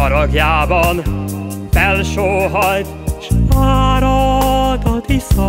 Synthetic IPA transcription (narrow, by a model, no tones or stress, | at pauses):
ɒɾɒɡjaːbɒnfɛlʃoːɦɒjt̪ʃaːɾɒd̪ɒt̪iso